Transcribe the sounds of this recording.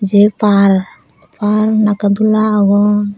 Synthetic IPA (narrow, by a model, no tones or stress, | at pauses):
d͡ʒepaɾ | paɾnakad̪ulaːɡɔ